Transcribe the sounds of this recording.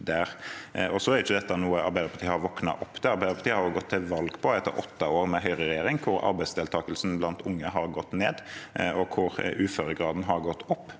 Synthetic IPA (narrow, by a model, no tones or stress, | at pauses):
d̪æːɾɔsɔæɾɪçːəd̪ɛt̪ːɑnuːəɑ̰ɾbæɪd̪əɾpʰɑt̪iːəhɑɾʋɔknɑ̰ʔɔpːt̪ʰɛɑɾbæɪd̪əɾpɑt̪iːəhɑɾʊɡɔt̪ʰːɪlʋɑlɡpʰɔɛt̪ːə̰ɾʔɔt̪ːɑoːɾmɛɦœʏʁəɾɛjeːɾɪŋkʰʊɾɑ̰ɾbæɪsd̪eɛːlt̪ʰɑːkəlsn̩blɑnt̪ʰʊŋːəɦɑɾɡɔt̪ːneːd̪ɔkʰʊɾʉːføːɾəɡʁɑːd̪n̩ɦɑɾɡɔt̪ːɔpː